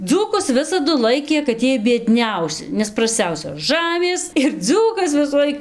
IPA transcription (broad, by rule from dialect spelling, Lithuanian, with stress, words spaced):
ˈd͡zuːkʊs ˈʋʲɪsɐdʊ ˈlˠɐɪkʲeː kɐt ˈjiɛj bʲiɛˈdʲnʲɛʊsʲɪ nʲɛs prɐsʲˈt͡sʲɛʊsʲoːs ˈʒɑːmʲeːs ɪr ˈd͡zuːkɐs ʋʲɪsuːˈlˠɐɪk